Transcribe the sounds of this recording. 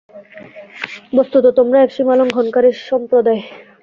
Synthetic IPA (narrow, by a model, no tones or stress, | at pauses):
bost̪ut̪ot̪omɾaɛkʃimaloŋɡʱɔnkaɾeɾʃɔmpɾod̪ae